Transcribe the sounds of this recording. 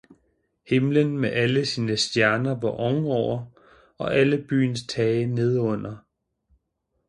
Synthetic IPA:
he̝mlənmeʔæləsiːnəsd̥jæɐnɐʋɑ̈ʔɒ̽ŋəɒʊ̰ɐ | ɒ̽ʔæləb̥y̰ːnst͡sʰɛːɪəne̝ð̞ˠɔ̽n̰ɐ

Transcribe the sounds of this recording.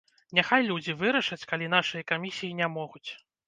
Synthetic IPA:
nʲaxajlʲud͡zʲivɨɾɐʂɐt͡sʲkalʲinaʂɨjɐkamʲisʲijinʲɛmɔɣut͡sʲ

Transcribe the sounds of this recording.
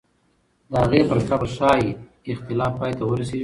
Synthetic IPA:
d̪əhaɣepəɾkabaʃɑj | ɪxt̪ɪlɑfpːɑjt̪awəɾaseʒi

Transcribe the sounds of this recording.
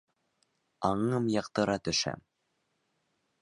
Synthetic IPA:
ɑɴɤmjɑqt̪ɤ̆ɾɑt̪ɵ̆ʃæ̰m

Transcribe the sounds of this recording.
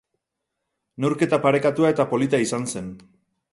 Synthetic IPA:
newɾke̞t̪apaɾe̞kat̪uae̞t̪apo̞lit̪aisanse̞n

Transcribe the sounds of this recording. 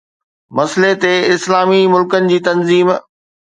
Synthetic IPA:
mɐslet̪eɪslaːmimʊlkənɪ̆d͡ʑiːt̪ɐnziːm

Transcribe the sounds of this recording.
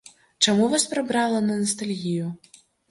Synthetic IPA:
t͡ʂamuvaspɾabɾalˠɐnɐnɐst̪alʲɣʲiju

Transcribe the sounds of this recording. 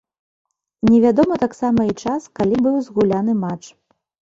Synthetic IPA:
nʲɛvʲad̪ɔmɐt̪aksamɐit͡ʂaskalʲibɨwzɣulʲanɨmat͡ʂ

